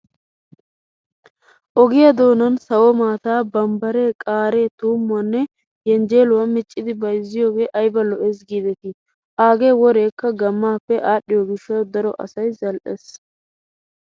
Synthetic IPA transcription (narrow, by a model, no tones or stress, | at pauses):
ʔɔɡɪjɐd̪o̞ːnɐnsɐwɔmaːt̪aːbɐmbɐɾe̞ːkʼaːɾe̞ːt̪uːmːʊɐnːɛ | jɛnd͡ʒe̞ːlʊwɐmɪt͡ʃʼːɪd̪ɪbɐjzːɪjoːɡe̞ːʔɐjbɐlɔʔeːs̬ɡiːd̪ɛt̪ɪ | ʔaːɡe̞ːwɔɾe̞ːkːɐɡɐmːaːpːɛʔaːɗːɪjɔɡɪʃːɐd̪ɐɾɔʔɐ̰sɐjzɐlʔɛs